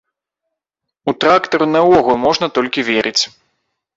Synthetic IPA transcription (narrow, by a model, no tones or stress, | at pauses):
ut̪ɾakt̪ɐɾunɐvɔɣulˠmɔʐnɐt̪ɔlʲkʲivʲeɾɨt͡sʲ